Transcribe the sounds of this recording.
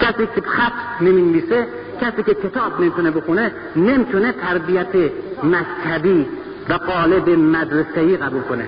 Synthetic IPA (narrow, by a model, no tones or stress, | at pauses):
kʰæsiːkʰebxæt̪ʰneminviːse | kʲʰæsiːcʰekʰe̞t̪ʰɒːbnemit̪ʰunebexune | nemit̪ʰunet̪ʰæɾbijæt̪ʰemækt̪ʰæbi | væɣɒːlebemæd̪ɾeseiːɣæbulkʰonḛ